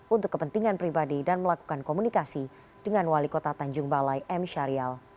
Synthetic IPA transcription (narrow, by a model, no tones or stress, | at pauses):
unt̪ʊkːəpənt̪iŋanpɾibadidanməlaku̥kankomunikasi | dəŋanwalikot̪at̪aɲd͡ʒʊŋbalajʔɛmʃaɾial